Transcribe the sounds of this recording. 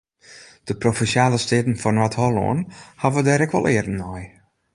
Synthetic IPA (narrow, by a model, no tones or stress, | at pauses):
d̥əprofɛsjaːləstɪːtn̩fɔnwathɔlɔ̰ənhavədɛɾɛkʋɔ̰lɪərn̩ɔj